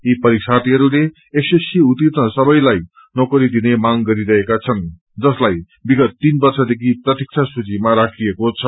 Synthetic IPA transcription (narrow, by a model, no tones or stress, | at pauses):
ipʌɾiksʰat̪iɦʌɾule | esesiut̪it̪nʌsʌbʌjlaj | nokʌɾid̪inemaŋɡʌɾiɾʌɦekat͡sʰʌn | d͡zʌslaj | biɡʌt̪ːinbʌrsʌd̪ekʰiprʌt̪ik̚t͡sʰasut͡simaɾakʰiekot͡sʰʌ